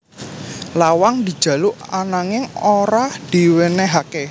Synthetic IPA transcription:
lawaŋd̪̥i̤d̥d͡ʒ̥ä̤luanaŋɪŋoɾad̪̥i̤weneɦake

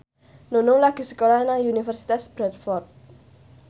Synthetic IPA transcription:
nunʊŋlaɡ̥i̤sə̥kolanaŋunifərsit̪asb̥ɾɛt̪̚fɔrt̪̚

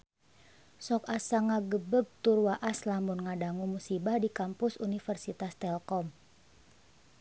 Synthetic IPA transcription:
sɔkasaŋaɡəbəb̚t̪urwaʔaslambʊnŋadaŋumusibahdikampʊsunifərsit̪ast̪ɛlkɔm

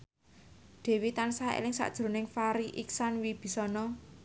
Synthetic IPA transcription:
d̪̥e̤wit̪ansaḛlɪŋsa̰ʔd̥ʒ̥ɾo̤nɪŋfaɾiʔiksanwib̥i̤sɔnɔ

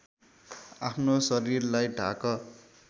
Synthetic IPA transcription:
apʰnosʌɾirlajɖʱa̰kʌ

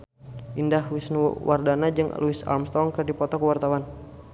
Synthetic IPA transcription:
ʔindahwisnṵwardanad͡ʒɨŋ̰luisa̰lmst̪ɔŋkɨrdipɔt̪ɔkəwart̪awan

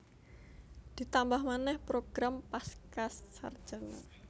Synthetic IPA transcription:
d̪̥it̪ambahmanɛhpɾoɡ̥ɾampaskasːa̰rd̥ʒ̥əŋa̰

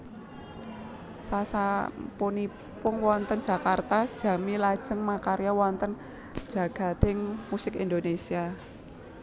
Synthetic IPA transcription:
sasaponi | pʊŋwɔnt̪ənd͡ʒ̥a̤kart̪ad̥ʒ̥ä̤milḁʒ̥əŋmakaɾiawɔnt̪ən̥ | d͡ʒ̥a̤ɡ̥a̤t̪ɪŋmusɪkind̪onesia

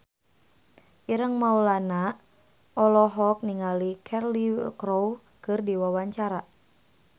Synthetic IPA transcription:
ʔiɾəŋmaulana | ʔɔlɔɦɔk̚niŋalikʰɛrlikɾow | kɨrdiwawaɲt͡ʃaɾa

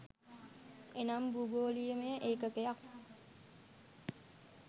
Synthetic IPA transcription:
enambuɡoliəmeʔekəkejak̚

